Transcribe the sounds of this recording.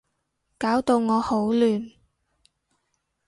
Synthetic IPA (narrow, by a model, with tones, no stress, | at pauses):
kaː˨˥wt̪o˧wŋɔː˨˧ho˨˥wlyː˨n